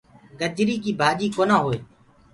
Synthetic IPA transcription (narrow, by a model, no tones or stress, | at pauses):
ɡəd͡ʒɾiːkiːbʱaːd͡ʒiːkoːnãːɦoːeː